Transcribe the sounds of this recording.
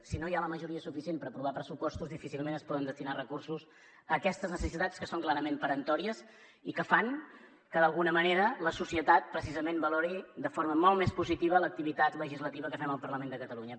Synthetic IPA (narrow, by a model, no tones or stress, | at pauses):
sinojaləməʒuɾiəsufisienpəɾəpɾuβ̞apɾəsupɔst̪uzðifisilˠmenəspɔðənd̪əst̪inarəkursus | əkɛst̪əznəsəsit̪at͡skəsoŋklaɾəmempəɾənt̪ɔɾiəs | ikəfaŋ | kəðəlˠɣunəməneɾələsusiət̪at̪̚pɾəsizəmembəlɔɾid̪əfoɾməmɔlˠmespuzit̪iβələk̚t̪iβit̪at̪ləʒizlət̪iβəkəfɛməlˠpərləmend̪əkət̪əluɲə